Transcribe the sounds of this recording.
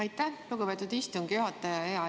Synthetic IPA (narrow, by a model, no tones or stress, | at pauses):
ɑjt̪ːˑæluɡ̥pet̪ːˑud̪̥ist̪uŋɡ̥juɦɑt̪ːˑɑjɑeɑ